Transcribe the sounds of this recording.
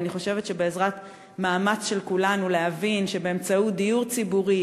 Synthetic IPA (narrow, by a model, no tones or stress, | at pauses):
niχo̞ʃevetʃe̞be̞ezʁat | maːmat͡sʃe̞lkulanuleɦavinʃebeemt͡saut̚d̪ijuʁt͡sibuʁi